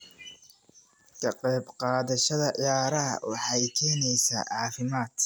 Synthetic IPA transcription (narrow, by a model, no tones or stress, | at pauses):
kʰɐqɛjbqɑːðɐʃɐðɐʔjaːɾɐɦɐ̰wɑ̰ħɑjkʰɛːnɛjsa̰ːʕɑːfɪmaːd̪̥